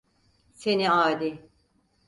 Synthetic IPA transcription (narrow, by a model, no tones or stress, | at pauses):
seniaːd̪i